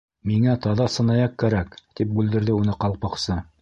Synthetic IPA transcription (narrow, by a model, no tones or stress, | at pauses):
miŋæt̪ɑðɑsɤ̆nɑjɑq̚kæɾækt̪ip̚bʉld̪ɘ̆ɾðɘunɤqɑlˠpɑqsɤ